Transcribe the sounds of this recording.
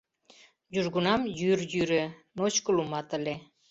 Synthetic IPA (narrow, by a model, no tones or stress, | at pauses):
juʒɣunɑmjyrjyɾenot͡ɕkəlumɑt̪ə̆le